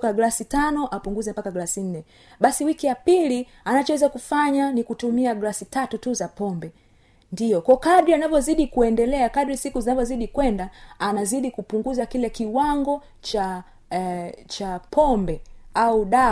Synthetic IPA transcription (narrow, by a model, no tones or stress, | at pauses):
kaɡlasitanɔʔapuŋɡuzɛmpakaɡlasin̩nːɛ | ɓasiwikijapili | anat͡ʃɔwɛzakufaɲanikutumiaɡlasitatutuzapɔmbɛ | ndijɔkɔkadɾianavjɔziɗikuɛndɛlɛakadɾisikuzinavɔziɗikwɛndaanaziɗikupuŋɡuzakilɛkiwaŋɡɔ | t͡ʃa | t͡ʃapʰɔmbɛauɗa